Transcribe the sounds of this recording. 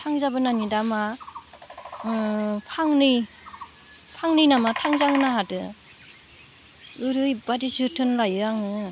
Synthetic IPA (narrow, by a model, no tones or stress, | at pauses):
tʰaŋzabɯnanidama | pʰaŋnɯj | pʰaŋnɯjnamatʰaŋzaɦɯnaɦadɯ | ɯɾɯjbadisɯtʰɯnlajɯaŋɯ